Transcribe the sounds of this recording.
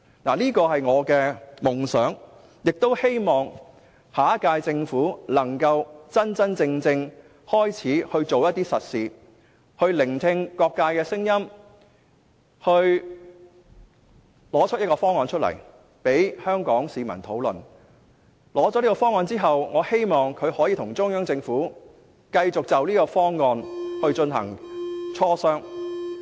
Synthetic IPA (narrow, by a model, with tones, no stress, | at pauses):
naː˨˩liː˥kɔː˧hɐ˨jŋɔː˨˧kɛː˧mʊ˨˩ŋsœː˨˥ŋ | jɪ˨k̚t̪o˥whe˥jmɔː˨ŋ | haː˨kaː˧jt͡sɪ˧ŋfuː˨˥lɐ˨˩ŋkɐ˧wt͡sɐ˥nt͡sɐ˥nt͡sɪ˧ŋt͡sɪ˧ŋ | hɔː˥jt͡sʰiː˨˥hɵ˧ɥt͡so˨wjɐ˥t̪̚iː˥sɐ˨t̚siː˨˧ | hɵ˧ɥlɪ˨˩ŋt̪ʰɪ˧ŋkɔː˧kːaː˧jkɛː˧sɪ˥ŋjɐ˥m | hɵ˧ɥ | lɔː˨˥t͡ʃʰt̚jɐ˥t̚kɔ˧fɔː˥ŋɔː˧nt͡ʃʰɵ˥t̚lɐ̰˨˩j | pe˨˥jhœː˥ŋkɔː˨˥ŋsiː˨mɐ̰˨˩nt̪ʰo˨˥wlɵ̰˨˩n | lɔː˨˥t͡sɔː˨˥liː˥kɔː˧fɔː˥ŋɔː˧nt͡siː˥ɦɐ˨wŋɔː˨˧he˥jmɔː˨˩ŋkʰɵ˨˧ɥhɔː˨˥jiː˨˧t̪ʰʊ˨˩ŋt͡sʊ˥ŋjœː˥ŋt͡sɪ˧ŋfuː˨˥ | kɐ˧jt͡sʊ˨k̚t͡sɐ˨wliː˥kɔː˧fɔː˥ŋːɔː˧nhɵ˧ɥt͡ʃɵ˧nɦɐ̰˨˩ŋt͡sʰɔː˥sœː˥ŋ